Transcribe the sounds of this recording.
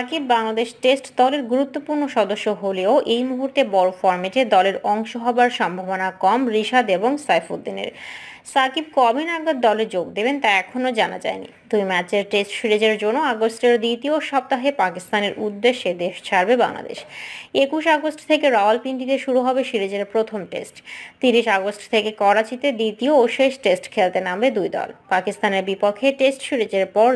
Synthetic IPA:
akibːaŋlad̪eʃʈesʈd̪ɔleɾɡuɾut̪ːopuɾnoʃɔd̪oʃːoɦoleoʔejmuɦuɾt̪ebɔɾofɔɾmeʈed̪ɔleɾɔŋʃoɦɔbaɾʃɔmbʱabonakɔmɾiʃad̪eboŋsajfud̪ːinḛɾsakib̚kɔbʱinaɡad̪̚ːɔleɾd͡ʑoɡd̪ebent̪aɛkʰonod͡ʑana̰d͡ʑa̰enḭd̪ujmɛt͡ɕeɾʈesʈʃiɾed͡ʑeɾd͡ʑonːoaɡosʈeɾd̪it̪ioʃɔb̚t̪aɦepakist̪aneɾʔud̪ːeʃːed̪eʃt͡ɕʰaɾbeba̰ŋla̰d̪ḛʃekuʃ̬aɡosʈt̪ʰekeɾɔlpiɳʈit̪eʃuɾuɦɔbeʃiɾed͡ʑeɾpɾot̪ʰomʈḛsʈt̪iɾiʃaɡosʈt̪ʰekekɔɾat͡ɕit̪ed̪it̪iooʃeʃʈesʈkʰelt̪enambed̪ujd̪ɔ̰lpakist̪aneɾbipokʰːeʈesʈʃiɾed͡ʑeɾpɔɾ

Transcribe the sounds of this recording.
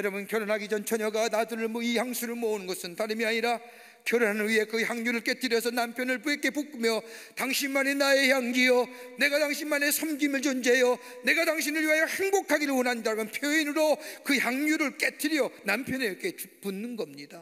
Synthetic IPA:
jʌɾʌbunkjʌɾʌnɦaɡid͡ʑʌnt͡ɕʰʌɲʌɡanadɯɾɯɭmwʌihaŋsʰuɾɯɭmʌunɯnɡʌsɯntaɾɯmiaɲiɾa | kjʌɾonɦanɯnɥiɦe̞kɯçjaŋɲuɾɯɭk͈e̞tʰɯɾjʌsʰʌnampʰjʌnɯɭpuek͈e̞puk͈umjʌtaŋɕʰinmːane̞nae̞jaŋɡijʌne̞ɡataŋɕʰinːane̞sʰʌmɡimɯɭt͡ɕond͡ʑejʌ | ne̞ɡataŋɕʰinɯɭɥiɦajʌheŋbokʰaɡiɾɯɭwʌnɦandamʌnpʰjoinɯɾokɯçjaŋɲuɾɯɭk͈etʰɯɾjʌnampʰjʌnekʰe̞punːɯnɡʌmɲida

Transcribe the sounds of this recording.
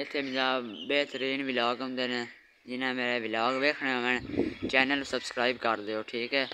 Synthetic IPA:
ɪt̪ʰːeːmɪ̃d͡ʒaːbeːt̪əɾiːnʋɪlaːɡɦʊ̃nd̪eːnẽː | d͡ʒɪnãːmeːɾeːʋɪlaːɡʋeːkʰɽẽːãːmɛ̃ːɳt͡ʃɛːnəlsəbskɾaːibkəɾd̪eːɦoːʈʰiːkɛː

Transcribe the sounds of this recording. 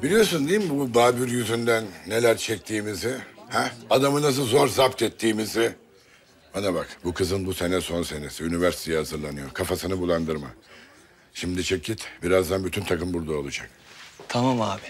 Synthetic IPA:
bilʲijo̞ɾs̬und̪ejimbub̪aːbyɾjyzynd̪ænːe̞lʲæɾt͡ʃʰɛc̚t̪ʰiːmizɪhɛad̪amɯnazɯzo̞ɾzapt̪ʰɛt̪ʰːiːmizɪ | banabakbukʰɯzɯnbuse̞nɛso̞nse̞nesiynivæɾsi̥t̪ʰejihazɯɾlˠanɯjo̞kʰafasɯnɯbulˠand̪ɯɾma | ʃimd̪it͡ʃʰɯcʰːit̪biɾazd̪anbyt̪ʰynt̪ʰakɯmbuɾd̪ao̞lˠud͡ʒak̚ | t̪ʰamamaːbi

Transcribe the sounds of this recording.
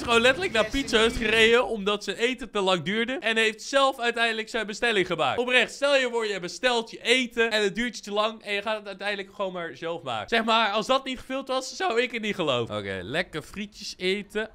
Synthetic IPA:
sχəʋownlɛtələknaːɹpitsøstχərejdəɔmdɑtsənejtətəlɑŋdyːɹdəʔɛnɦejftsɛlˠfœɥtɛjndələksɛjnbəstɛlɪŋχəma̰ːk̚tɔprɛχtstɛlˠjəʋɔɹjəbəstɛlˠtjəʔejtəɛnəd̚dyːɹtjətəlɑŋɛnjəχaːtətœɥtɛjndələkχəʋownmaːɹzɛlˠfma̰ːkəsɛχmaːɹɑlˠsdɑt̚nitχəvɪlˠtʋɑssawɪkətnitχəlowvəo̰kḛlɛkəfritjəsejtə

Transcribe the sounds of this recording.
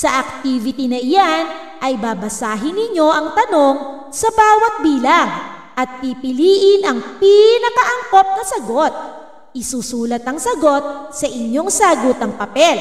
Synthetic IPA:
sɐʔɐk̚t̪iːvɪt̪inɐɪjan | ʔɐjbaːbɐsaːɦɪnɪɲo̞ʔɐŋt̪ɐno̞ŋ | sɐbaːwɐt̪̚biːlɐŋ | ʔɐt̪̚pipɪliːʔɪnʔɐŋpinɐkɐʔɐŋko̞p̚nɐsɐɡot̪̚ | ʔɪsuːsuːlɐt̪̚ɐŋsɐɡo̞t̪̚sɐʔɪɲjo̞ŋsaɡot̪ɐŋpɐpɛl

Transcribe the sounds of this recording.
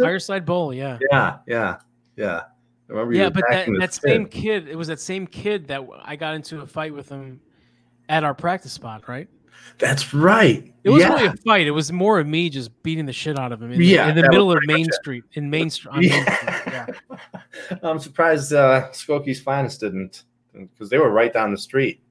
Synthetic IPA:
faɪə˞saɪd̚bolˠjæjæjæ | jæ̰ | mɛ̃mbjæbʌt̚æðɨtŋðɨtsẽɪ̃mkʰɪdɪt̚wʌzðɨtsẽɪ̃mkʰɪd̪̚ðɨt̚a̰ɪɡɑɾɪ̃ntʰʉəfaɪt̚wɨð̥ə̃m | ɨɾaʊə˞pʰɹ̥æk̚tɨspɑt̚ɹaɪt̚ | ðætsɹaɪt̚ɨt̚wʌzlˠiɨfaɪɾɨt̚wʌzmɔɹʌvmid͡ʒʌsb̥iɾɪ̃ŋðɨʃɪɾaʊɾʌvɨ̃mɨ̃jæɨ̃nðɨɪɾl̩ˠʌvmẽɪ̃nstɹ̥it̚ɨ̃nmẽɪ̃nstɹ̥ijæjæ | ãɪ̃msə˞pʰɹ̥aɪzdʌskoʊkiz̥fãɪ̃nsd̥ɪdⁿn̩t | kʰʌzðeɪwə˞ɹaɪt̚d̥ãʊ̃nðəstɹ̥it̚

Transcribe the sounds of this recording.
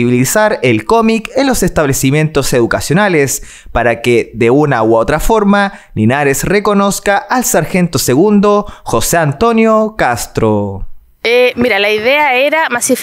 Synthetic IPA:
iβilisaɾelko̞mikenlo̞sest̪aβlesimje̞nt̪oseðukasjo̞nales | paɾakeðeunawot̪ɾafo̞ɾma | ninaɾesreko̞noskaʔːlsaɾxent̪oseɣund̪o̞xoseant̪o̞njokast̪ɾo | emiɾalaiðeaeɾamasif

